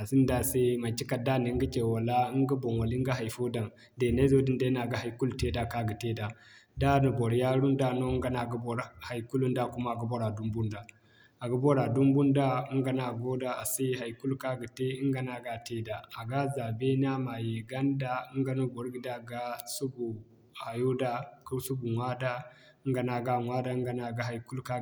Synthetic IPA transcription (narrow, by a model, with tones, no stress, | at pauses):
a˨si˦n˦da˦se˦ma˨t͡ʃːi˦ka˨da˦ni˨˦ɡə˦t͡ʃe˨wa˨la˦i˦ŋɡa˦bo˨nwa˨li˦ɡa˦ɦa˨jfo˦da˨n | de˨na˦zo˦di˦n˦de˦na˨ɡa˦ha˨jku˦lte˦da˨ka˦ɡi˨te˦da˨da˦nu˨bo˨ɾja˦ɾu˦nda˦no˦ŋɡa˦na˨ɡa˦bo˨ɾha˨jku˦lu˦nda˦˨ku˦ma˦˨ɡa˦bo˦ɾa˨du˦mbu˦nda˨ | a˨ɡa˦bo˦ɾa˨du˦mbu˦nda˦i˦ŋɡa˨na˨ɡo˦da˦a˨sa˦ɦa˨jku˦lka˦ɡi˨te˦i˦ŋɡa˨na˨ɡa˦te˦da˨a˨ɡa˦za˨be˦na˦ma˨je˨ɡa˦nda˦ə˦ŋɡa˦nu˦bo˨ɾɡi˨da˦ɡa˦su˦bu˨ | ha˨ju˦da˦ku˦su˦bu˨ŋʷa˦da˦ | ə˦ŋɡa˨na˨ɡa˦˨ŋʷa˦da˦ŋɡa˨na˨ɡa˨ɦa˨jku˦lka˦